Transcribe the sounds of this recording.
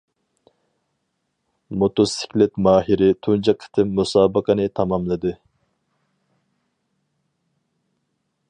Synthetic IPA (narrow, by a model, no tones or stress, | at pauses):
mot̪osɪ̥kʲlɪt̪mɑːɦiɾɪt̪ʰund͡ʒɑqʰːə̥t̪ʰɨmːusɑːbəqʰənɨt̪ʰɑmɑmlˠɨd̪ɨ